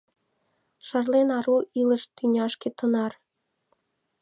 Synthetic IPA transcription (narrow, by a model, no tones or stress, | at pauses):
ʃɑrlenɑɾuʔilɤ̆ʃt̪ynʲɑʃkĕt̪ɤ̆nɑr